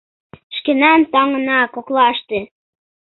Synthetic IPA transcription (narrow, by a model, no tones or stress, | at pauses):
ʃkenɑnt̪ɑŋənɑkoklɑʃt̪e